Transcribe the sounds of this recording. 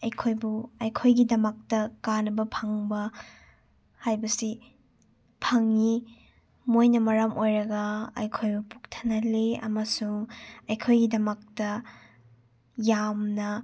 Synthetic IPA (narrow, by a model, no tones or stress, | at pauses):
ɐjkʰojbuɐjkʰojɡidɐmɐk̚tɐkanɐbɐpʰɐŋbɐ | hajbɐsi | pʰɐŋi | mojnɐmɐɾɐmʔojɾɐɡɐɐ̰jkʰojbupuk̚tʰɐ̥nɐleɐ̰mɐsuŋɐjkʰojɡidɐmɐk̚tɐ | jamnɐ